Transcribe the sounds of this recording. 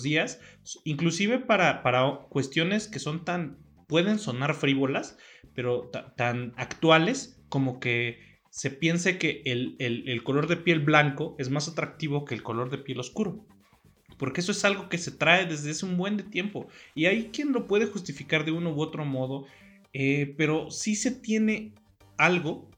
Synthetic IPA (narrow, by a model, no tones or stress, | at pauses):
ðiasiŋklusiβ̞e̞paɾapaɾakwe̞st̪jo̞ne̞ske̞so̞nt̪an | pwe̞ðe̞nso̞naɾfɾiβo̞laspe̞ɾo̞t̪at̪anakt̪wale̞sko̞mo̞ke̞ | se̞pje̞nseke̞ʔːlelelko̞lo̞ɾðe̞pje̞lβlaŋko̞ʔe̞zmasat̪ɾak̚t̪iβ̞o̞ke̞ːlko̞lo̞ɾðe̞pje̞loskuɾo̞ | po̞ɾke̞e̞s̬oe̞salɣo̞ke̞se̞t̪ɾae̞ðe̞zðeaseumbwe̞nd̪et̪je̞mpo̞̰iajkje̞nlo̞pwe̞ðe̞xust̪ifikaɾðe̞unowo̞t̪ɾo̞mo̞ð̞o̞ | epe̞ɾo̞sise̞t̪je̞ne̞ | alɣo̞